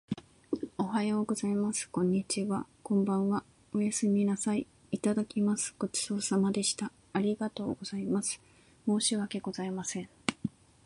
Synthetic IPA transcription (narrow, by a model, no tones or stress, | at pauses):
o̞ɦajo̞ːɡo̞zaimasɨ̥kõ̞ɲ̟ːit͡ɕiβakõ̞mbãɰ̃βa | o̞jasɨmʲinasaiː | t̪ad̪akʲimasɨ̥ɡ̥o̞t͡ɕi̥so̞ːsamad̪e̞ɕi̥t̪a | aɾʲiɡat̪o̞ːɡo̞zaimasɨ̥ | mo̞ːɕiβake̞ɡo̞zaimasẽ̞ŋ